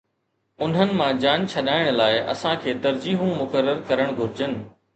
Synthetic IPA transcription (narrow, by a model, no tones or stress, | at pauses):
ʊn̤ɦənɪ̆mãd͡ʑaːnt͡ɕʰɐɗaːɪɽ̃laːɪʔɐ̰sãkʰeːt̪ɐɾd͡ʑiːɦũmʊkəɾːəɾkɐɾəɽ̃ɡʱʊɾɪd͡ʑənɪ̆